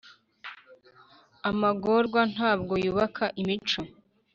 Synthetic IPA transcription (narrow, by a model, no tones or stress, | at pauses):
amaɡo̞ɾɡwan̥haːb̚ɡo̞juβakʰaʔimit͡ʃo